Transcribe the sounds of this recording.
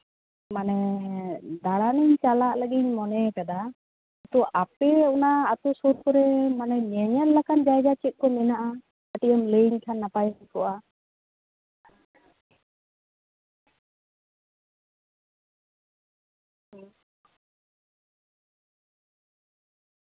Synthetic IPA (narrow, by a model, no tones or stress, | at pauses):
manɛ | d̪aɽaniɲt͡ʃalaʔləɡiɲmɔnɛkad̪a | at̪uʔapɛunaːt̪usuɾkɔɾɛmanɛɲɛɲɛɾlakʰand͡ʒajd͡ʒat͡ʃit̪̚ˀkɔminaʔa | aʈijɔmleɲkʰanːapajɦakɔʔa